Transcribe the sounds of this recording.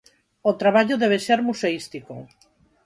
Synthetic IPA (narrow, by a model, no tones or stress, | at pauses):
ot̪ɾaβaʎoðeβ̞eseɾmuseist̪iko̰